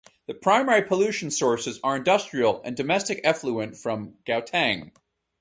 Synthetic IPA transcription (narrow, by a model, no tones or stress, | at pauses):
ðɨpʰɹ̥ãɪ̃mɛɹipʰəlʉʃn̩sɔɹsɨzə˞ɨ̃ndʌstɹ̥il̩ˠɨ̰̃ndɨmɛstɨkɛfluɨ̃ntfɹʌ̃mɡ̥aʊtʰæ̃ŋ